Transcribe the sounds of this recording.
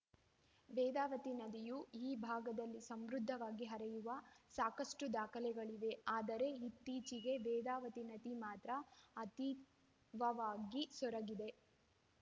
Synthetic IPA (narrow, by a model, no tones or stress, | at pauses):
ʋɛːd̪aːʋɐt̪inɐd̪ijuiːbʱaːɡɐd̪ɐlːisɐmɾud̪ʱːɐʋaːɡiɦɐɾɛjuʋɐsaːkɐʂʈud̪aːkʰɐlɛɡɐɭiʋe̞aːd̪ɐɾe̞it̪ːiːt͡ʃiɡe̞ʋɛːd̪aːʋɐt̪inɐd̪imaːt̪ɾɐːt̪i | ʋɐʋaːɡisɔɾɐɡid̪e̞